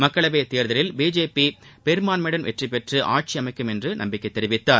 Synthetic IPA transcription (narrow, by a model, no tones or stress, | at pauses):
mɐkːɐɭɐʋeːt̪eːɾðɐlɪlbiːd͡ʒeːpipɛɾɯmaːnmɛɽɐnʋɛ̰ʈripɛʈrɯʔa̰ːʈ̚t͡ʃiɐmɐɪkːɯmɛndrɯnɐmbɪkːɐɪt̪ːɛɾɪʋɪt̪ːaːɾ